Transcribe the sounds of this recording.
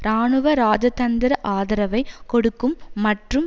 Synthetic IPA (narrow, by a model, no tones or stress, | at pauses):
ɾaːɳɯʋɐɾaːd͡ʒɐt̪ɐnd̪ɪɾɐʔaːðɐɾɐʋɐɪkɔɽɯkːɯmːɐʈrɯm